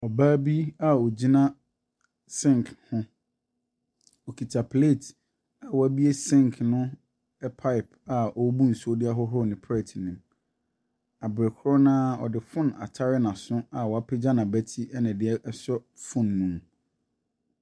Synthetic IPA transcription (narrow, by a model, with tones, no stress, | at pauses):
ɔ˨baː˦bi˦a˦ɔ˨d͡ʑi˦nã˦ | sɪ̃˦˨ŋkhʊ̃˦ | ɔ˨kʰi˨tʰa˨pʰle˦˨tʰ | a˨wɔ˨æ˦bi˦e˦sɪ̃˦˨ŋkʰnʊ̃˦ | ɛ˦pʰa˦ɪ˨pa˨ɔ˨˦bu˦n̩˨su˦o˦dɪ˦a˦ɦɔ˦ɦɔ˦˨nɪ̃˨pʰɛ˦˨tʰnĩ˨m | a˨bɾɛ˨kʰɾɔ˦nãː˦ɔ̰˨dɪ˨fʊ̃˦˨na̰˨tʰa˦ɾɪ˦nã˨sʊ̃˦a˨wɔ˨a˦pʰe˦d͡ʑa˦nã˨bæ˦tʰi˦ɛ˦nã˨dɪ˦ɛ˦ʔɛ˦sɔ˦fʊ̃˦nːũ˦m